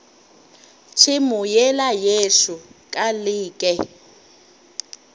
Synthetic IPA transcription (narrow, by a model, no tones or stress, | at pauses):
t͡ʃʰɪmʊjɛlajeʃukʼalɪːkʼɛ